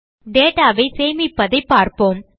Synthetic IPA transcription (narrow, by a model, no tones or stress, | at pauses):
ɖeːʈaːʋɐɪseːjmɪpːɐðɐɪpːaːɾpoːm